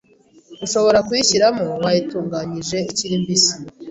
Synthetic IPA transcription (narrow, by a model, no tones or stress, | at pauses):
ɡuʃo̞βo̞ɾakujiçiɾamowajituːŋɡaːɲiʒe̞iciɾimbisi̥